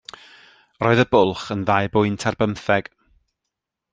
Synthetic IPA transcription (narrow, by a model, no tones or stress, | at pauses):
rɔːɨðəbʊlˠχənðajbʊɨntʰarbəmθɛɡ̥